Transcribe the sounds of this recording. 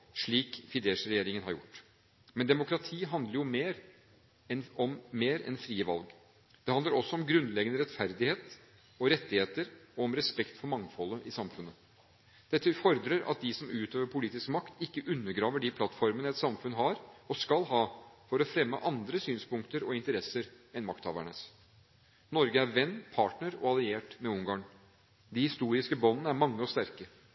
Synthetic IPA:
ʂɭiːkfɪd̪eːʂɾɛjeːɾɪŋənhɑɾjʊ̰ʈː | mɛnd̪ɛmʊkɾɑt̪ʰiːɦɑnd̪ləɾjʊmeːɾ | ɛnɔmːeːɾɛ̰nfɾiːəʋɑ̰lɡ | d̪ɛhɑnd̪ləɾɔsːɔɔmɡɾʉnlɛɡənəɾɛt̪fæɾd̪ɪheːt̪ | ɔɾɛt̪ːɪheːt̪əɾɔɔmɾɛspɛkt̪fɔɾmɑŋfɔlːəʔɪsɑmfʉnːə | d̪̥ɛt̪ːəfɔɾd̪ɾəɾɑ̰t̪̚d̪ɪsɔmʉːt̪ʰøːʋəɾpʰʊliːt̪ɪskmɑkt̪ɪkːəʔʉnːəɾɡɾɑːʋəɖɪpʰlɑt̪ːfɔɾmənəɛt̪sɑmfʉnɦɑːɾɔskɑlɦɑːfɔɾɔfɾɛmːə̰ʔɑnd̪ɾəsyːnspʊŋkt̪əɾɔɪnt̪əɾɛsəɾ | ɛnmɑkt̪hɑ̰ːʋæ̰ɳəs | nɔɾɡəæɾʋɛnːpʰɑːʈɳəɾɔ̰ɑlɪeːʈmɛʊŋɡɑːn | d̪ɪhɪst̪uːɾɪskəbɔnːənəæɾmɑŋːəɔst̪æɾkə

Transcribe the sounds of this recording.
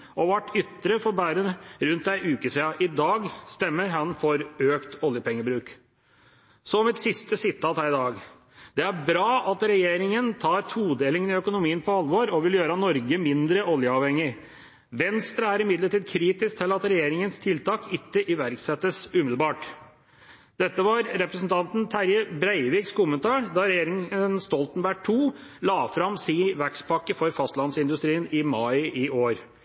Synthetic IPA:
ʔɔʋæʈːʏt̪ːɾəfɔɾbæːɾənɾʉnt̪æɪʔʉːkəsɛɑʔɪd̪ɑːɡst̪ɛmːəɾɦɑnfɔɾøːkt̪ɔljəpʰɛŋːəbɾʉːk | sɔmɪt̪sɪst̪əsɪt̪ʰːɑːt̪hæːɾɪd̪ɑːɡ | d̪̥ɛæɾbɾɑːʔɑt̪ɾɛjeːɾɪŋənt̪ʰɑːɾt̪ʰuːd̪eːlɪŋənɪœkʊnʊmiːənpʰɔɑlːʋɔɾɔʋɪljøːɾɑnɔɾɡəmɪnd̪ɾəʔɔljəɑʋhɛŋːɪ | ʋɛnst̪ɾəæɾɪmɪd̪ləʈiːd̪kʰɾiːt̪ɪsk̚t̪ʰɪlɑt̪ɾɛjeːɾɪŋənst̪ʰɪlt̪ʰɑːkɪkːəʔɪʋæɾksɛt̪ːəsʉːmɪdlbɑːʈ | d̪̥ɛt̪ːəʋɑɾɾɛpɾəsn̩t̪ʰɑnt̪nt̪ʰæɾjəbɾæɪʋiːkskʊmənt̪ʰɑːɳd̪ɑɾɛjeːɾɪŋənst̪ɔlt̪nbæʈʰːuːlɑːfɾɑmsiːʋækspʰɑkːəfɔɾfɑst̪lɑnsɪnd̪ʉst̪ɾiːənɪmɑɪʔɪʔoːɾ

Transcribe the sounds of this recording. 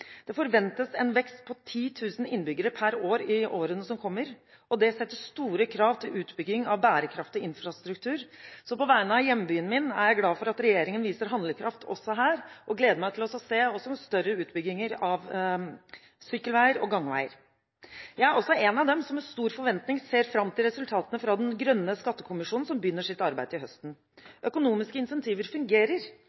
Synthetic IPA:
d̪̥ɛfɔɾʋɛnt̪əsɛnʋɛkst̪̚pʰɔt̪ʰiːt̪ʰʉːsn̩ɪnːbʏɡəɾəpʰæɾoːɾɪʔoːɾənəsɔmkʰɔmːəɾ | ʔɔd̪ɛsɛt̪ːəʂt̪uːɾəkʰɾɑːʋt̪ʰɪlʔʉːt̪bʏɡɪŋɑʋbæːɾəkʰɾɑft̪ɪɪnfɾɑst̪ɾʉkt̪ʰʉːɾsɔpɔʋæɪnəɑjɛmːbyːənmɪnæ̰ɾjæɪɡlɑːfɔɾɑt̪ɾɛjeːɾɪŋənʋiːsəɾɦɑnd̪ləkʰɾɑft̪ʰɔ̰sːɔɦæːɾʔɔɡleːd̪əmæɪt̪ʰɪlɔsɔseːɔsɔst̪œɾəʉːt̪bʏɡːɪŋəɾɑʋ | syːkːəlʋæɪəɾɔ̰ɡɑŋːʋæ̰ɪə̰ɾ | jæɪæɾɔsːɔɛnɑʋd̪ɛmsɔmɛst̪uːɾfɔɾʋɛnt̪nɪŋseːɾfɾɑmt̪ʰɪlɾɛsʉlt̪ʰɑːt̪ənəfɾɑd̪ɛnɡɾœnːəskɑt̪ːəkʰʊmɪʂuːnn̩sɔmbəjʏnːəʂɪt̪ɑɾbæɪd̪əɪɦœst̪n̩ | ʔœkʊnuːmɪskəɪnsɛnt̪ʰiːʋəɾfʉŋɡeːɾəɾ

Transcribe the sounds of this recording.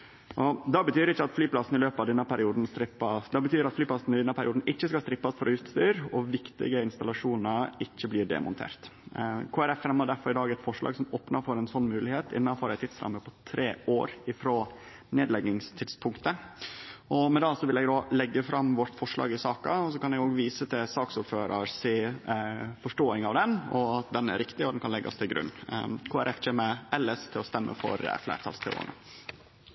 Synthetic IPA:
ʔɔd̪ɑbət̪ʰyːɾɪçːəɑt̪flyːplɑsn̩ɪløːpɑʋd̪ɛnːəpʰæɾɪuːd̪n̩st̪ɾɪpːɑd̪ɑbət̪yːɾɑt̪flyːpʰlɑsn̩ɪd̪ɛnːəpʰæɾɪuːd̪n̩ɪçːəskɑst̪ɾɪpːɑsfɔɾɔjʉst̪st̪d̪yːɾɔʋɪkt̪ɪ̰ɡəɪnst̪ɑlɑʂuːnəɾɪçːəbliːɖɛ̰mʊ̰nt̪ʰḛːɾt̪kʰoːæɾɛfɛmhɑɖæɾfɔɾɪd̪ɑːɡɛt̪fɔʂɭɑ̰ɡsɔmoːpnɑɾfɔɾɛnsɔnːmʉːlɪheːt̪ʰɪ̰nːɑfɔɾɛɪt̪ʰːɪt̪sɾɑ̰mːəpʰɔt̪ʰɾeːo̰ːɾɪfɾoː | neːd̪lɛɡɪŋst̪ʰɪt̪spʰʊŋkt̪ə | ʔɔmɛd̪ɑːsɔʋɪlɛɡd̪oːlɛɡːəfɾɑmʋɔʈ̪fɔʂɭɑ̰ːɡɪsɑːkɑɔsɔkɑnɛɡoːɡʋiːsət̪ʰɪsɑːksʊːɾføːɾɑɾseː | fɔʂʈoːɪŋɑʋd̪ɛnɔɑt̪̚d̪ɛnæ̰ɾɪkt̪ɪɔd̪ɛnkʰɑnlɛɡːɑ̰st̪ʰɪlɡɾʉ̰nːkʰoːæɾʔɛfʰɛmɛʔɛləst̪ʰɪlɔst̪ɛmːʔə̰fɔ̰ɾə̰flæ̰ːt̪ʰɑ̰lst̪ʰɛ̰o̰ə̰nə̰

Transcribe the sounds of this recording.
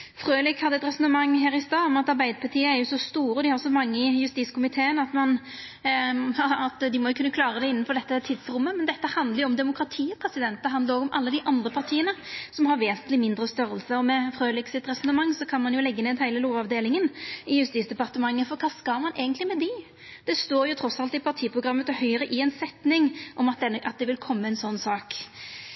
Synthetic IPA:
fʁøːlɪkhɑd̪ːəɛt̪ɾɛsɔnəmɑŋːɦæːɾɪst̪ɑːmɛnɑt̪ɑʁbæɪd̪əpʰɑt̪ʰiːəæɾjʊsɔst̪uːɾəɔd̪ɪhɑɾsɔmɑŋːəɪjʉst̪iːt̪skʰʊmɪt̪ʰeːənɑt̪mɑn | ɑt̪d̪ɪmɔjʊkʰʉnːəkʰlɑːɾəd̪ɛɪnːənfɔd̪ɛt̪ːət̪ʰɪd̪sɾʊmːəmɛnd̪ɛt̪ːəhɑnd̪ləɾjʊɔmd̪ɛmʊkɾɑt̪ʰiːɔpʰɾɛsɪd̪ɛnt̪ːəɦɑnd̪əɾɔːɡɔmʔɑlːəd̪ɪʔɑnd̪ʁəpʰɑɾt̪ʰiːənəsɔmhɑɾʋeːsənt̪lɪmɪnd̪ɾəst̪œɾəlsəɔmɛfʁøːlɪksɪt̪ʁɛsɔnəmɑŋːsɔkʰɑnmɑnjʊlɛɡːəneːd̪hæɪləloːʋɑʋd̪eːlɪŋənɪjʉst̪iːt̪sd̪ɛpɑʁt̪əmɑŋːəfɔɾkʰɑːskɑlmɑnʔeːɡənt̪lɪmɛd̪ɪ | d̪̥ɛst̪oːɾjʊt̪ʰɾɔsɑlt̪ɪpʰɑʁt̪ʰiːpʰɾʊɡɾɑmːət̪hœʏəɾəʔɪɛɪnsɛt̪nɪŋʔɔmɑt̪̚d̪ɛnːəʔɑt̪̚d̪ɛʋɪlkʰɔmːəɛnsɔnːsɑːk

